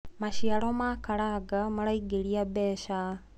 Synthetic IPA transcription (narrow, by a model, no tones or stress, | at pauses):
maʃialomakaɾaɡamaɾaiɡeɾiabeːʃa